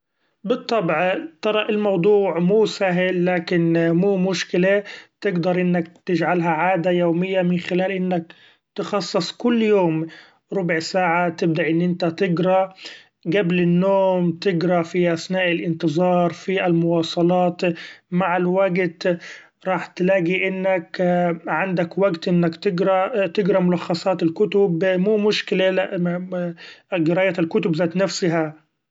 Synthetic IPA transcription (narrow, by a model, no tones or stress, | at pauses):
bɨt̪ˤːɑbʕt̪ɑɾˤɑʔɪlmɑwd̪ˤuːʕmuːsaɦɪlːaːkɪnmuːmʊʃkɪlet̪ɪɡd̪ɑɾˤʔɪnːak̚t̪ɪd͡ʒʕalɦaʕaːd̪ajoːmɪjːamɪnxɪlaːlʔɪnːak | t̪ɪxɑsˤːɨsˤkʊlːjoːm | ɾʊbʕsaːʕat̪ɪb̚d̪aʔɪnːʔɪnt̪at̪ɪɡɾˤɑ | ɡablɪnːoːmt̪ɪɡɾˤɑfiʔasnaːʔɪlʔɪnt̪ɨzˤɑːɾˤfiʔalmʊwɑːsˤɑlɑːt̪maʕalwaɡt̪ | ɾˤɑːħt̪laːɡiʔɪnːakʕand̪akwaɡt̪ʔɪnːakt̪ɪɡɾˤɑt̪ɪɡɾˤɑmʊlɑxːɑsˤɑːt̪ɪlkʊt̪ʊbmuːmʊʃkɪlalaʔ | ɡɪɾaːʔjaːt̪ɪlkʊt̪ʊbzaːt̪nafsɪɦa